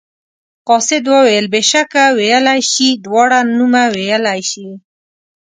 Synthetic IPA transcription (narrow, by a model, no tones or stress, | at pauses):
qɑsɪd̪wəwejəlbeʃakawejəlajʃid̪wɑɽanumawejəlajʃi